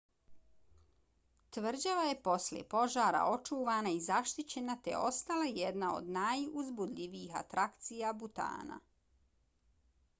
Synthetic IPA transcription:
t̪ʋr̩d͡ʑaʋaje̞po̞slḛpo̞ʒaːɾa̰o̞t͡ʃuːʋaːnaizaʃt̪it͡ɕe̞nat̪ḛo̞st̪alajɛd̪nao̞̰d̪najuzbud̪ʎʲiʋiixa̰t̪ɾakt̪sijabut̪a̰ːna̰

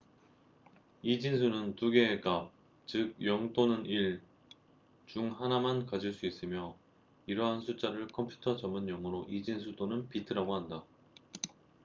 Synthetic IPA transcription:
id͡ʑinsʰunɯntuɡeːkap̚ | t͡ɕɯɡ̚jʌŋt͈onɯniɭ | t͡ɕuŋhanamankad͡ʑiɭs͈uis͈ɯmjʌ | iɾʌɦansʰut͡ɕ͈aɾɯɭkʰʌmpʰju̥tʰʌt͡ɕʌmɯnjʌŋɯɾoʔid͡ʑinsʰudonɯnpitʰɯɾaɡoɦanda

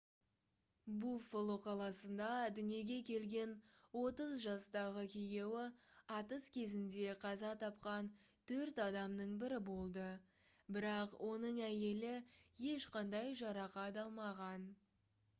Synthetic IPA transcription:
bufolˠoqʰɑlˠɑsənd̪ɑd̪ʏnije̞ɡʲe̞kʲʰe̞lɡʲe̞nwo̞t̪əzʒɑst̪ɑʁəkʲʰeje̞wɪɑt̪əskʲʰe̞zɪnd̪e̞qʰɑzɑt̪ʰɑpqɑn | t̪ʰɵɾt̪ɑd̪ɑmnəɴbɪɾɪbo̞lˠd̪ə | bɪɾɑqwʔo̞nəɴæje̞lɪje̞ʃqɑnd̪ɑjʒɑɾɑqɑd̪ɑlˠmɑʁɑn

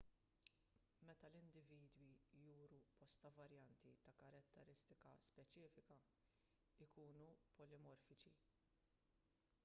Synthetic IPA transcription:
mɛt̪ɐlɪnd̪ɪviːd̪wijuːɾupɔst̪ɐvɐɾjɐnt̪it̪ɐkɐɾɐt̪ːɛɾɪst̪ɪkɐspɛt͡ʃɪːfɪkɐ | ɪkuːnupɔlɪmɔɾfɪt͡ʃi

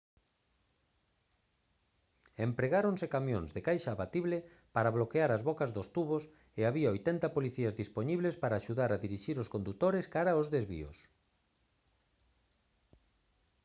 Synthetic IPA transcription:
empɾeɣaɾonsekamjõ̰ŋzðekajʃaːβat̪iβlɪ | paɾaβlokeaɾazβɔkazðost̪uβos | eaβiaojt̪ɛnt̪ɐpoliθiɐzðispoɲiβlespaɾaːʃuðaɾaðiɾiʃiɾoskond̪ut̪oɾeskaɾaozðezβḭo̰s

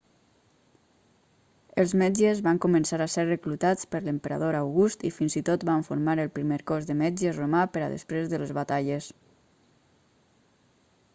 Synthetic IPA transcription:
əlˠzmɛd͡ʒəzβaŋkumənsaɾaserrəklut̪at͡spəɾləmpəɾa̰ðoɾawɣust̪ifinzit̪ot̪bβaɱfuɾmaɾəlˠpɾimeɾkɔzðəmɛd͡ʒəromapəɾa̰ðə̰spɾezðələzβat̪aʎəs

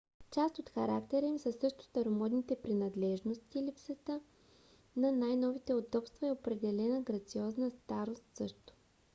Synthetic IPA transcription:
t͡ʃast̪ot̪xɐɾakt̪ɛɾəimsəsɤʃt̪ʊ̥st̪ɐɾomɔd̪nit̪ɛpɾinɐd̪lɛʒnost̪iːlipsət̪ə | nɐnajnɔvit̪ɛod̪ɔpst̪vɐɛopɾɛd̪ɛlɛnəɡɾɐt̪siɔznəst̪aɾost̪sɤʃt̪o̥

